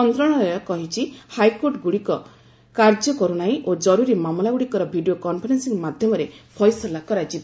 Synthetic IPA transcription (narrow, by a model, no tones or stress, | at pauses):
ɔnt̪ɾɔɽ̃ɔɾɔɔkɔɦit͡ʃʰihajkoɾʈɡuɽikɔ | kaɾd͡ʒɔkɔɾunaĩʔod͡ʒɔɾuɾimamlaɡuɽikɔɾɔbʱiɖijokɔmpʰɔɾensiŋmad̪ʱjɔmɔɾepʰɔjsɔlakɔɾad͡ʒi